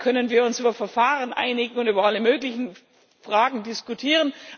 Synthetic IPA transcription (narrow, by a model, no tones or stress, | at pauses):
kʰœnənviːɐʊnsʔyːbɐfɛɐfaːʁənʔa̰ɪnɪɡŋ̩ʊntyːbɐaləmøːklɪçn̩ | fʁ̥aːɡŋ̩dɪskutʰiːʁən